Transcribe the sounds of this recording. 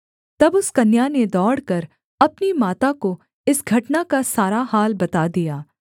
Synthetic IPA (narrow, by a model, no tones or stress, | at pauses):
t̪ɐbʊskɐnjaned̪ɔːɽkɐɾ | ɐpnimaːt̪ako | ɪsɡʱɐʈnakasaːɾaɦaːlbɐt̪ad̪ijaː